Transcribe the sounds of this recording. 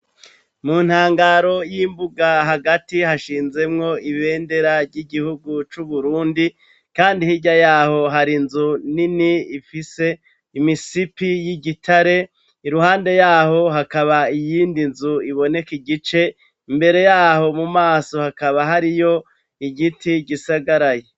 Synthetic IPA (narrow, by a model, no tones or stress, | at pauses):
muːn̥haːŋɡaːɾo̞jiːmbuɡaɦaɡatihaʃiːnze̞mŋo̞iβe̞ːnde̞ɾavɟiɡihuɡut͡ʃuβuɾuːndi | kaːndihiɟajaːho̞ɦaɾinzuniniifise̞ | imisipijiɟitʰaɾe̞ | iɾuhaːnde̞jaːho̞ɦakaβaijiːndinzuiβo̞ne̞kiɡit͡ʃe̞ | imbe̞ɾe̞jaːho̞mumaːso̞hakaβaɦaɾijo̞ | iɡitiɟisaɡaɾaje